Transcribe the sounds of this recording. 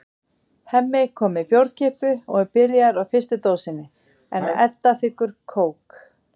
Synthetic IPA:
hɛmːɪkʰɔːmɪpjowɾcɪpʏɔɣɛɾpɪɾjaɾawfɪst̪ʏt̪oːwsɪnːɪ | ɛ̰nɛt̪ːaθɪhkʏɾ̥kʰoːwk

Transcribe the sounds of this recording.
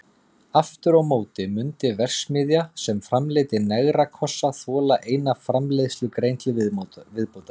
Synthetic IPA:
aft̪ʏɾawmoːwt̪ɪmʏnt̪ɪvɛr̥smɪːðjasɛmfɾamleːt̪ɪnɛɣɾakʰɔsːaθɔːlaʔeːjnafɾamlejðst̪lʏkɾejnt̪lɪvɪðpoːwt̪a

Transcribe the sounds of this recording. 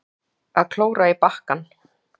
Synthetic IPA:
aðkʰloːwɾaipahkan

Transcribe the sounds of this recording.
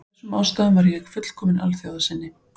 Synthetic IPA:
sɛmawst̪aðʏnvaɾjɛxfʏt̪l̥kʰɔːmɪnʔa̰lθjaːwðasɪnːɪ

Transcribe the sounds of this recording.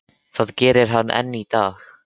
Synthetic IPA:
θaːðcɛːɾɪɾ̥ɦanːʔɛ̰nːit̪aːx

